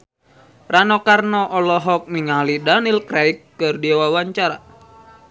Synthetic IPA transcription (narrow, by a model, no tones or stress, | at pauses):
ranɔkarnɔʔɔlɔɦɔk̚niŋalidanilkɾaikːɨrdiwawaɲt͡ʃaɾa